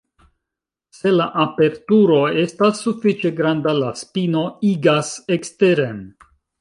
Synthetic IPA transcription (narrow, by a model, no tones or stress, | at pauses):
se̞laʔape̞ɾtuɾo̞e̞stasːufit͡ʃe̞ɡɾandalaspino̞iɡase̞kste̞ɾen